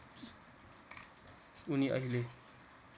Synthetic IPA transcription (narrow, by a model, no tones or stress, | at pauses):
uniʔʌ̰ɦile